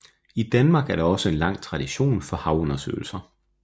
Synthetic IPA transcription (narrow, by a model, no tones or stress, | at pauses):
id̥ænmɑ̈ːɡ̥æɐɾɑ̈ɒ̽səe̝nlɑ̈ŋ̰t͡sʰʁɑ̈d̥iɕo̝̰ːnfɒ̽hɑ̈ʊɔ̽nɐsø̰ːl̩sɐ